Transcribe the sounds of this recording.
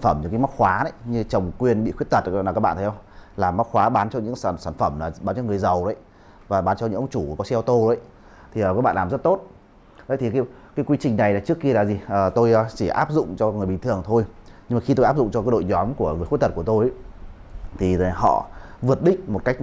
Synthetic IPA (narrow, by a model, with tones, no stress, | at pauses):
nfə˧˩mɲɨ̰˧˥ŋkaː˨˦jma˦˥t̚xwaː˨˦nə˨˦jɲɨ˧t͡ɕə˨˩wŋ͡mkwi˧˩ənɓḭ˧˨xwi˦˥ət̪̚ə˨˩t̚a˨˩kaː˦˥ɓa̰ː˧˨˦hə˧ŋ͡mlaː˨˩mːa˦˥xwaː˨˦ɓaː˨˦nt͡ɕɔ˧ɲɨ̰˧˥kːnsaː˧˩nfə˧˩mlaː˨˩ɓaː˨˦nt͡ɕɔ˧ŋɨ˨˩əjzə˨˩wɗo˨˦j | vaː˨˩ɓaː˨˦nt͡ɕɔ˧ɲɨ̰˧˥ŋʔə˧wŋ͡mt͡ɕu˧˩˨kɔ˨˦sɛ˧wt̪o˧zo˨˦j | t̪ʰi˨˩əː˨˩ka˨˦˥kɓ̰ːnlaː˨˩zt̚t̪o˦˥t̚ | ʔə˨˦jt̪ʰi˨˩ka˨˦ | kaː˨˦jkwi˧t͡ɕï˨˩ŋ̟na˨˩jlaː˨˩t͡ɕɨ˦˥əkːi˧əlaː˨˩zi˨˩ʔəː˨˩t̪o˧jt͡ɕi˧˩ʔa̰ː˦˥p̚zʊ̰˧˨ŋ͡mt͡ɕɔ˧ŋɨ˨˩əɓi˨ŋ̟t̪ɨ˨˩əŋt̪ʰo˧jɲɨ˧maː˨˩xi˧t̪o˧jaː˦˥p̚zʊ̰˧˨ŋ͡mt͡ɕɔ˧kaː˨˦jɗo̰˧˨jɲɔ˨˦mku˧˩əŋɨ˨əjxi˦˥t̪̚ə˨˩kət̪o˧j | t̪ʰi˨˩˨ɔ̰˧˨vɨ˨˩ət̚ɗï˦˥k̟̚mo˨˩t̚ka˦˥jk̟̚